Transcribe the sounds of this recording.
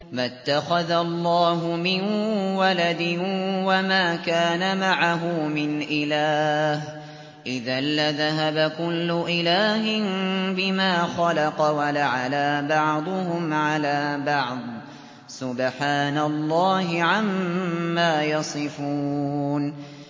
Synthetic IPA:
mat̪ːaxaðalˤːɑːɦʊmɪnwalad̪ɪwamaːkaːnamaʕaɦʊmɪnʔɪlaːh | ʔɪðalːaðaɦabakʊlːʊʔɪlaːɦɪnbɪmaːxɑlɑqɑwalaʕalaːbɑʕd̪ˤʊhʊmʕalaːbɑʕd̪ˤ | sʊbħaːnalˤːɑːɦɪʕamːaːjɑsˤɨfuːn

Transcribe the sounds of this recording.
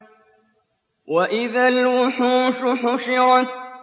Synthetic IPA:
waʔɪðalwʊħuːʃʊħʊʃɪɾa

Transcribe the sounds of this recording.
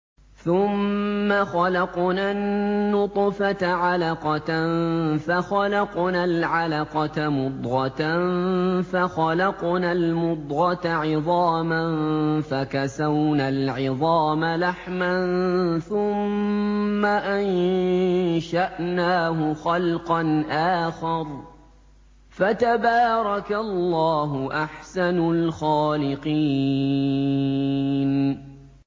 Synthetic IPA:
θʊmːaxɑlɑqnanːʊt̪ˤfat̪ʕalɑqɑt̪nfaxalɑqnaːlʕalɑqɑt̪mʊd̪ˤɣɑt̪anfaxɑlɑqnaːlmʊd̪ˤɣɑt̪aʕɪðˤɑːmanfakasawnaːlʕɪðˤɑːmalaħmanθʊmː | aʔan | ʃaʔnaːɦʊxɑlqɑnʔaːxɑɾˤ | fat̪abaːɾˤɑkalːɑːɦʊʔaħsanʊlxaːlɪqiː | n

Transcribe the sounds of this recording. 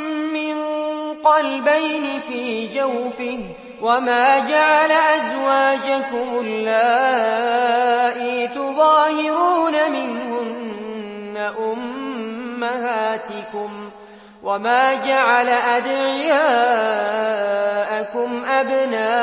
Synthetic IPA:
mɪnqɑlbajnɪfiːd͡ʒawfɪh | wamaːd͡ʒaʕalaʔazwaːd͡ʒakʊmʔʊlːaː | ʔiːt̪ʊðˤɑːhɪɾuːnamɪnhʊnː | aʔʊmː | ahaːt̪ɪkʊm | wamaːd͡ʒaʕalaʔad̪ʕjaː | ʔakʊmʔabnaː

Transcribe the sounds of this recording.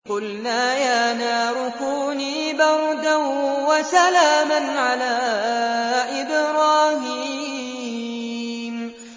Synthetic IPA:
qʊlnaːjaːnaːɾʊkuːniːbɑɾˤd̪awasalaːmanʕalaː | ʔɪbɾˤɑːhiː | m

